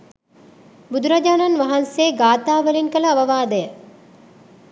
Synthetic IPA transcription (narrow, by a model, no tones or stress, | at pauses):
bud̪uɾɐd͡ʒaːnɐnʋɐɦɐnseːɡaːt̪aːʋəlinkəlɐːʋɐʋaːd̪əjə